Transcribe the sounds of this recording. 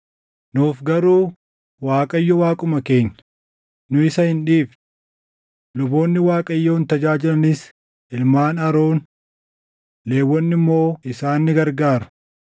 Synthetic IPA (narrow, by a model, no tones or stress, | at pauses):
nuːfɡɐɾuː | waːkʼɐjːɔwaːkʼʊmɐke̞ːɲːɐ | nʊɪsɐhɪnᶑiːf | lʊbo̞ːnːɪwaːkʼɐjːoːnt̪ɐd͡ʒaːd͡ʒɪlɐnɪs | ʔɪlmaːnɐɾo̞ːn | le̞ːwːɔnːɪmːo̞ːɪsaːnːɪɡɐɾɡaːɾɐ̥